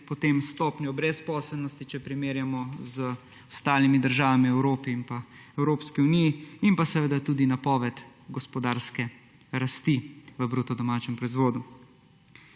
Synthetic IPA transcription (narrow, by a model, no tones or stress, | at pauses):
pɔt̪eːmst̪ɔːpnjɔbɾɛspɔːsɛlnɔst̪it͡ʃɛpɾimeːɾjamɔzə | ɔst̪aːlimid̪əɾʒaːʋamiɛwɾoːpiːmpaɛwɾoːpskiunijiimpasɛʋed̪at̪uːd̪inapɔːʋɛt̪ɡɔspɔd̪aːɾskɛ | ɾast̪iʋəbɾut̪ɔd̪ɔmaːt͡ʃɛmpɾɔizʋoːd̪u